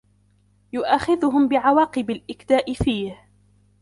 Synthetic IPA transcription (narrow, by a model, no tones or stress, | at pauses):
jʊʔaxɪðʊɦʊmbɪʕawɑːqɨbalʔɪkd̪aːʔɪfiːh